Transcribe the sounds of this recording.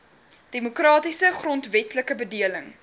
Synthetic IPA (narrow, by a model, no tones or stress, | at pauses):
d̥emokrɑːtisəχrɔntvɛtləkəbədiələŋ